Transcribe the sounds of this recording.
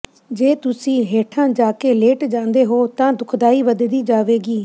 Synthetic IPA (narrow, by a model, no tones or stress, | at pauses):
d͡ʒeːt̪ʊsĩːɦeːʈʰãːd͡ʒaːkeːleːʈd͡ʒãːnd̪eːɦoːt̪ãːd̪ʊkʰd̪aːiːʋəd̪d̪iːd͡ʒaːʋeːɡiː